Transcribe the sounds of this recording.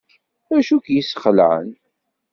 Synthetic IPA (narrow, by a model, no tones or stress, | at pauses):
æʃukjisəχəlʕə̰n